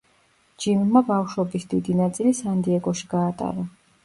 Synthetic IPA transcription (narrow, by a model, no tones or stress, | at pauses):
d͡ʒimmabafʃwɛbisd̪id̪inat̪sʼilisand̪iɛɡɔʃi̥ɡaːt̪ʼa̰ɾa